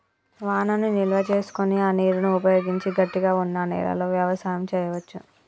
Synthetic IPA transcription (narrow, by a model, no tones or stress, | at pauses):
ʋaːnɐnunilʋɐt͡ʃe̞ːsu̥koniaːniːɾunuupɐjo̞ːɡiɲt͡ʃiɡɐʈːiɡaːunːɐnɛ̰ːlɐ̰lo̞ːʋjaʋɐsaːjɐmt͡ʃɛːjɐʋɐt͡ʃːu